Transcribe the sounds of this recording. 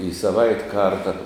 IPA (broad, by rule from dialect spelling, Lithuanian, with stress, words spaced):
ɪ sɐˈʋɐɪtʲ ˈkɐrtɐ